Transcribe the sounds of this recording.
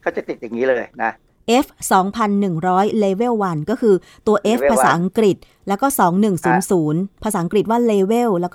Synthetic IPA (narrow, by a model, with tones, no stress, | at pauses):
kʰaː˥˩t͡ɕa˨˩t̪i˨˩t̪̚ja˨˩ŋːiː˦˥lɤː˧jna˦˥ | ʔe˦˥f̚sɔː˩˦ŋpʰa˧nːɯ˨˩ŋɾɔː˦˥jleː˧we˥˩wːa˧nkɔː˥˩kʰɯː˧ | t̪u˧ɐʔeː˦˥fpʰːaː˧saː˩˦˥ʔa˧ŋkɾi˨˩t̪̚ | lɛː˦˥wkɔː˥˩sɔː˩˦ŋnɯ˨˩ŋsuː˩˦nsuː˩˦npʰaː˧saː˩˦ʔkɾi˨˩t̪̚waː˥˩leː˧we˥˩wlɛː˦˥